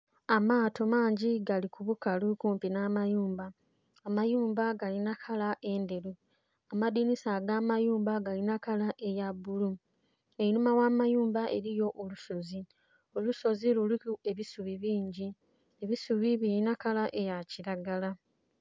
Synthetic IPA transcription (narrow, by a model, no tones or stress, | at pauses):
amaːtʰo̞maːɲɟiɡalikuβukalukuːmpinaːmajuːmbaː | majuːmbaɡalinakʰalaʔe̞nde̞ɾu | amadinisaɡamajuːmbaɡalinakalaʔe̞jabulu | einumawamajuːmbaʔe̞̰ɾijo̞ʔoluso̞zi | oluso̞zilulukue̞βisuβiβiːɲɟi | eβisuβiβilinakalaʔe̞jaciɾaɡala